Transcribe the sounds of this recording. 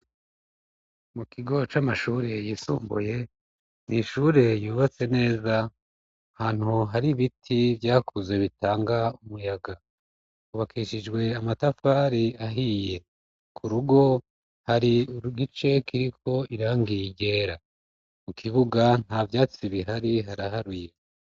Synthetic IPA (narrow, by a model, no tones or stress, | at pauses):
mukiɡo̞t͡ʃamaʃuːɾe̞jiːsṵːmbṵje̞ | niʃuɾe̞juːβat͡se̞ne̞ːza | haːn̥huɦaɾiβitʰivjaːkuze̞βitaːŋɡaumujaɡa | kuβakʰiʃid͡ʒɡwe̞amatafaːɾiaɦije̞ | kʰuɾuɡo̞ | haɾiuɾuɡit͡ʃe̞kiɾikʰo̞iɾaːŋɡijiɟe̞ːɾa | mukʰiβuɡan̥havjaːt͡siβiɦaɾiɦaɾaɦaɾuje